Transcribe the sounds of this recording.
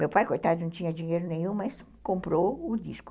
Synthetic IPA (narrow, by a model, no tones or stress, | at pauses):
mewpajkojt̪ad̪ʊnɐ̃w̃t͡ʃĩɲɐd͡ʒiɲeɾʊnẽj̃ũmɐs | kõmpɾoʊd̪ḭskʊ̥